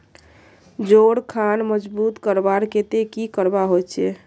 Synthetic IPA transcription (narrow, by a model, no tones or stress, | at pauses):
d͡ʒoɽkʰanməd͡ʒbut̪kəɾbaɾket̪ekikəɾbaɦojt͡ʃʰɛ